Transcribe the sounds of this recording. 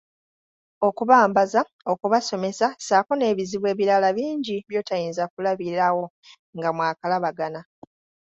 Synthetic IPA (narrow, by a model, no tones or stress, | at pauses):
o̞kuβaːmbaza | o̞kuβaso̞me̞sasaːko̞ne̞ːβiziβwe̞ːβiɾalaβiːɲɟiβjo̞ːtajiːnzakulaβiɾawo̞ | ŋɡamwaːkalaβaɡana